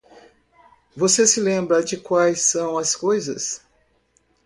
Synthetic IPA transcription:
vosesɪlẽmbɾɐd͡ʒɪkwajsɐ̃w̃ɐskojzɐ̰s

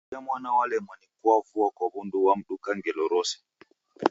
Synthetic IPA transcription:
amwanawalɛmanikuwafuwakɔhunduwamɗukaŋɡɛlɔɾɔsɛ̥

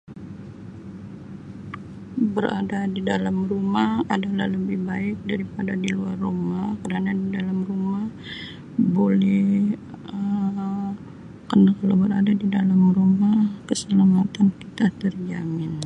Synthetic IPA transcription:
bəɾa̰dadidalamrumahadalahləbɪhbaɪk̚daɾipadadiluarːomakəɾanadidalamrumah | bolɛh | ə | kənakalawbəɾadadidalamrumahkəsəlamat̪ankit̪at̪ərd͡ʒamɪn

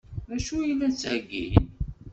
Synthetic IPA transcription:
æʃujlːæt͡sːʕəɡːḭn

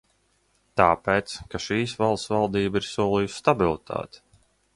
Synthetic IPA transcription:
t̪aːpeːt̪skaʃiːsvalˠt̪svalˠd̪iːbiɾsuɔlˠijusst̪abilˠit̪ʰa̰ːt̪i̥

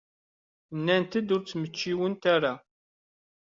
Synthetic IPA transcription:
nːænt̪əd̪ʊɾt͡sːmət͡ʃːiwənt̪aɾa

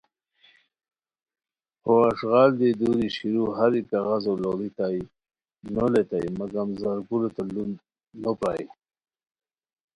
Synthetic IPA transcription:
hoaʂɣɑːld̪ed̪uɾiʃiɾuɦaɾikaɣazololit̪ai | nolet̪aj̰maɡamzaɾkulot̪alund̪ | nopɑj

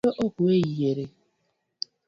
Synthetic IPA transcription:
ɔʔɔkʊeijeɾe

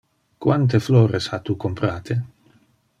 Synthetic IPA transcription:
kwant̪̬efloːɾeshat̪ukompɾaːt̪ʰe

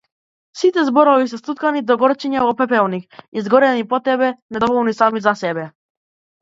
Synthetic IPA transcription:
sit̪ɛzbɔɾɔvisɛst̪ut̪̚kanid̪ɔɡɔɾt͡ʃɛɲɛvɔpɛpɛlˠnikizɡɔɾɛnipɔt̪ɛbɛnɛd̪ɔvɔlˠnisamizasɛbɛ

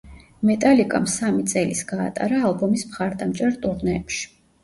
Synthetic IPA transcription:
mɛt̪ʼalikʼamsamit̪sʼɛlisɡ̥a̰ːt̪ʼa̰ɾaːlˠbɔmismχaɾd̪amt͡ʃʼɛɾt̪ʼuɾnɛɛpʃi̥

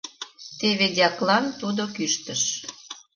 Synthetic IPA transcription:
t̪eβedʲɑklɑnt̪ud̪okyʃt̪əʃ

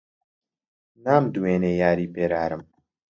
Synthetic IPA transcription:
naːmd̪uweːneːjaːɾiːpeːɾaːɾɨm

